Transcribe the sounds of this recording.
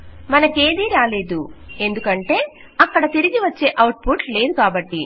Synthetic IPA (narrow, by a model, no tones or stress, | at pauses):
mɐnɐke̞ːd̪iːɾaːle̞ːd̪ue̞nd̪ukɐɳʈe̞ː | ɐkːɐɽɐt̪iɾiɡiʋɐt͡ʃːe̞ːʔɐwʈ̚pʰuʈle̞ːd̪ukaːbɐʈːi